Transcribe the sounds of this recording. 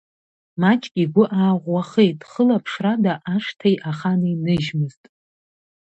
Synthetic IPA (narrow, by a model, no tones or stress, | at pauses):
mat͡ʃʼɡʲʼiɡʷʊʔaːʁʷːaχejtʼχəlapʰʂradaʔaʂtʰejʔaχanɨinɨʒmɨztʼ